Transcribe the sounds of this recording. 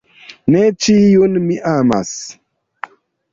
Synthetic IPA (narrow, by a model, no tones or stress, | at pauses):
net͡ʃijonmiʔama̰s